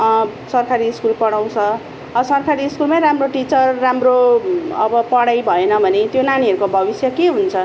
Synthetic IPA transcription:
sʌrkaɾiːskulpʌɽaw̃t͡sʰʌ | ʌsʌrkʰaɾiːskulmaɾamroʈit͡sʌrːamroʌbʌpʌɽajbʱʌenʌbʱʌnet̪jonaniɦʌɾukobʱʌbisjʌkeɦunt͡sʰʌ

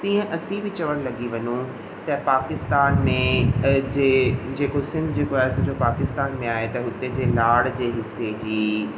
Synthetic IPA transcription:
t̪ĩːə̃ʔɐsĩbʱɪt͡ɕɐʋəɽ̃lɐɡiʋɐɲũ | t̪ɐpaːkɪst̪aːnmẽd͡ʑeːd͡ʑeːkosɪ̃nd̪ʱd͡ʑeːkoaːɦesɐ̃d͡ʑopaːkɪst̪aːnmẽaːɦet̪ɐɦʊt̪ed͡ʑeːlaːɽd͡ʑeːɦɪsed͡ʑiː

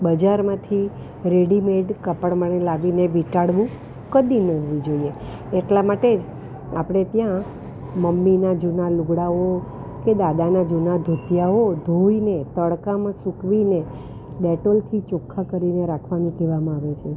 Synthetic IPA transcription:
bəd͡ʒaɾmãt̪ʰi | ɾeɽimeɖkəpəɽməɳelaʋineʋiʈaɽʋũ | kəd̪inəɦoʋĩd͡ʒoieː | ʈlamaʈed͡ʒ | a̰pɽ̃et̪jã | məmːinad͡ʒunaluɡɽao | ked̪ad̪anad͡ʒunad̪ʱut̪jaod̪ʱoinet̪əɽkamãsukʋine | ɗɛʈolt̪ʰit͡ʃokʰːakəɾineɾakʰʋanikeʋamãaʋet͡ʃʰe

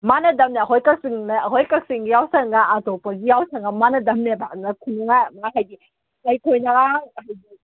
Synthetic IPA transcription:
manɐdɐmneɐɦojkɐk̚siŋnɐɐɦojkɐk̚siŋɡijawsɐŋɡaatɔpɐɡijawsɐŋɡɐmanɐdɐmnebanɐkʰunuŋamaɦajɡi | najkʰojnɐɾaŋɦajɡi

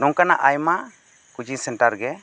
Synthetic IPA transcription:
ɖɔŋkanaʔajma | kud͡ʒisɛɳʈaɾɡɛ

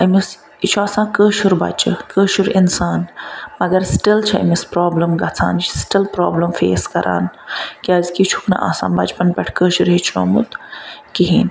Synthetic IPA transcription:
ɐmis | it͡ʃʰuaːsãːkəːʃuɾbɐ̰t͡ʃɐkəːʃuɾinsaːnmɐɡɐɾsʈilt͡ʃʰɐɐ̰mispɾoːblɐmɡɐt͡sʰa̰ːnt͡ʃisʈilpɾaːblɐmfḛːskɐɾʔa̰ːnkiaːzkit͡ʃʰu̥knɐ̰ʔa̰ːsã̰ːnbɐt͡ʃpɐnpɐʈʰkəːʃuɾɦit͡ʃʰno̰ːmṵt̪kiɦiːn

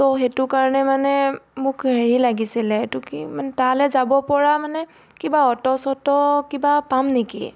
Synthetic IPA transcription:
tɔxetʊkaɹɔnɛmanɛmʊkheɹilaɡisilɛtʊkimanɛtalɛzabɔpɔɹamanɛ | kibaɔtɔsɔtɔkibapamnikḭ

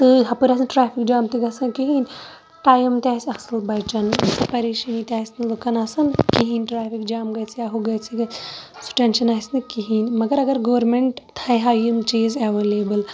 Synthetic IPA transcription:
t̪ɨɦɐpɨɾɐsɨnʈɾaːpʰikd͡ʒaːmt̪iɡɐsɐnkiɦinʲ | ʈaːjɐmt̪ʲaːsʲɐsɨlbɐjt͡ʃɐnsɐpɐɾeːʃɐnit̪jaːisnɨlukʰɐnasɐnkiɦinʈɾaːpʰikd͡ʒaːmɡɐjt͡sʰijaɦuɡɐjt͡sʰiɡɐsu̥ʈenʃɐnasnɨkiɦinʲmɐɡɐɾɐɡɐɾɡoːɾmeɳʈt̪ʰɐjɦaːjimt͡ʃiːzɐʋeleːbɨl

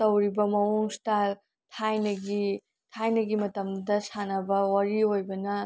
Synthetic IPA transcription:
tɐwɾibɐmɐmoŋstal | tʰajnɐɡi | tʰajnɐɡimɐtɐmdɐsanɐbɐwɐɾiojbɐnɐ

